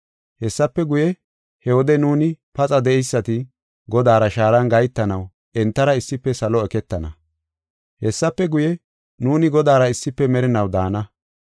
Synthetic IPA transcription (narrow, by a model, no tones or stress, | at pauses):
hɛsːɐpːɛɡʊjɛ | hɛwɔd̪ɛnuːnɪpɐt͡sʼɐd̪ɛɛjsːɐt̪ɪ | ɡɔd̪aːɾɐʃaːɾɐnɡɐjt̪ːɐnɐw | ɛnt̪ːɐɾɐɪsːɪpːɛsɐlɔɛkɛt̪ːɐnɐ̰ | hɛsːɐpːɛɡʊjɛ | nuːnɪɡɔd̪aːɾɐɪsːɪpːɛmɛɾɪnɐwd̪aːnɐ